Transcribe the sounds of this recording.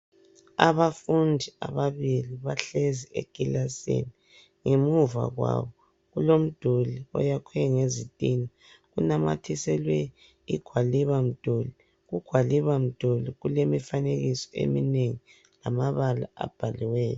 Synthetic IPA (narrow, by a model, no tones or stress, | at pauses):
aβafundʱia̰βaβiliβaɬeziḛɡ̥ilasḛni | ŋemuva̰ɣwa̰βɔ | ɣulom̩d̥ʱoliɔ̰jakʰwɛŋezitʼina | ɣunama̰tʰisɛlwɛ | iɡ̥ʱwaliβam̩d̥ʱoli | ɣuɡ̥ʱwaliβam̩d̥ʱoliɣulemifaneɣisɔ̥ḛmineŋi | lamaβala̰a̰b̥ʱaliwɛːjɔ